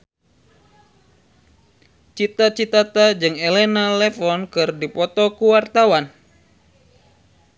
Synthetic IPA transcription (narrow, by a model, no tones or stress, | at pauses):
t͡ʃit̪at͡ʃit̪at̪ad͡ʒɨŋelenalɛfɔnkɨrdipɔt̪ɔkuwart̪awan